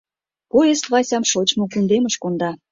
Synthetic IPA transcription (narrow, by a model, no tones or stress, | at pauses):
kojest̪vɑsʲɑmʃot͡ɕmokund̪eməʃkond̪ɑ